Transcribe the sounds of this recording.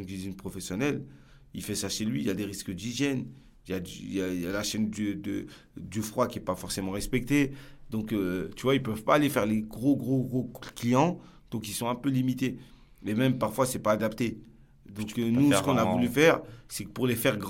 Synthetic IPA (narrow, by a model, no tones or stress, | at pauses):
ɔ̃d̪iʒjɛnpχɔfɛsjɔnɛl | ilfɛsaʃelɥiːljad̪eʁiskəd̪iʒjɛn | iljad̪yjaijalaʃɛnd̪əd̪ə | d̪əfχwakʲiɛpafɔʁsemɑ̃ʁɛspɛk̚t̪ed̪ɔ̃kt̪yvwailpœvpaːlefɛʁleɡʁoɡʁoɡʁoklijɑ̃ | d̪̥ɔ̃kilsɔ̃ɛ̃pølimit̪e | memɛmpaʁfwasɛpaːd̪apt̪e | d̪ɔ̃knusə̥kɔ̃navulyfɛʁsɛkə̥puʁlefɛʁɡʁ